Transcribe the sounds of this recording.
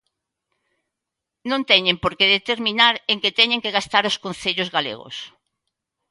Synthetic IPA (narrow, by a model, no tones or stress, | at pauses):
nõnt̪ɛɲempoɾkeðet̪eɾmĩnaɾeŋket̪ɛɲẽŋkeɣast̪aɾoskõn̟θeʎʊzɣalḛɣʊ̰s